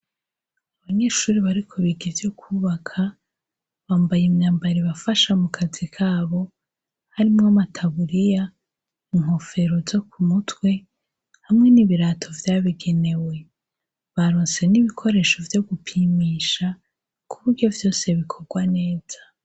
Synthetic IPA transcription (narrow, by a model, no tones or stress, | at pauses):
aβaɲe̞ːʃuːɾiβaɾikʰo̞βiɡivjokʰuːβakʰa | βaːmbajemɲaːmbaɾiβafaʃamukʰazikʰaːβo̞ | haɾimŋamatʰaβuɾija | iŋ̥ho̞fe̞ɾo̞vzo̞kʰumutwe̞ | hamŋe̞niβiɾaːtʰo̞vjaːβiɡe̞ne̞we̞ | βaɾoːnse̞niβikʰo̞ɾe̞ːʃo̞vjo̞ɡupʰiːmiːʃa | kʰuβuɾɟo̞vjo̞ːse̞βikʰo̞ɡwane̞ːz̥a